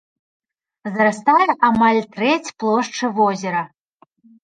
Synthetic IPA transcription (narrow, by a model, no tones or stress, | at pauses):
zɾast̪ajɛʔamalʲt̪ɾɛt͡sʲplˠɔʂt͡ʂɨvɔzʲɛɾɐ